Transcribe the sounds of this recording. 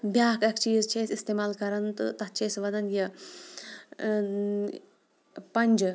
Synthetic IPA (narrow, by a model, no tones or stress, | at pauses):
bjaːkɐkt͡ʃiːzt͡ʃʰeːsist̪eːmaːlkɐɾɐnt̪ɨ̰t̪ɐtt͡ʃʰeːsʋɐd̪ɐnjɐ | pɐnʲd͡ʒ